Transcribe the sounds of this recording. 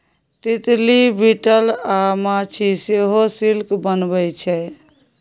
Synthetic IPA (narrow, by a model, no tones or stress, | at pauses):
t̪it̪libiʈəlamat͡ʃʰiseɦosilkbənbəjt͡ʃʰɛ